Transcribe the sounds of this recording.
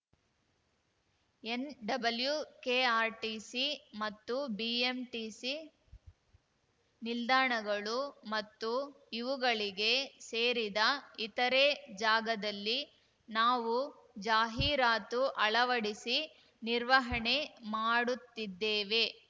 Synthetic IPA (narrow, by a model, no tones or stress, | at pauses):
enɖɐbɐljukeːaːɾʈisimɐt̪ːubiemʈiːsi | nild̪aːɳɐɡɐɭumɐt̪ːu | iʋuɡɐɭiɡe̞seːɾid̪ɐit̪ɐɾed͡ʒaːɡɐd̪ɐlːi | naːʋu | d͡ʒaːɦiːɾaːt̪uʔɐɭɐʋɐɽisi | niɾʋɐɦɐɳemaːɽut̪ːid̪ːeːʋe̞